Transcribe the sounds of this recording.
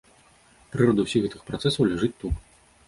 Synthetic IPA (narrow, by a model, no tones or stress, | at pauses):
pɾɨɾɔd̪ɨwsʲiɣɛt̪ɨxpɾat̪sɛsɐwlʲaʐɨt͡sʲt̪ːut